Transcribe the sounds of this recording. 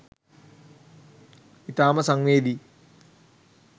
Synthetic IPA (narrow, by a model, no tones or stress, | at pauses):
it̪aːmɐsɐŋʋeːd̪i